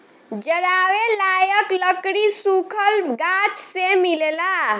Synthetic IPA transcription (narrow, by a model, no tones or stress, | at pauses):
d͡ʒəɽawelajəkləkɽisukʰəlɡat͡ʃsemilela